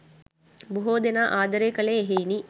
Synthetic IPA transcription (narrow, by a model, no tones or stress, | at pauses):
buɦoːd̪enaːʔaːd̪əɾeːkəleːeɦejni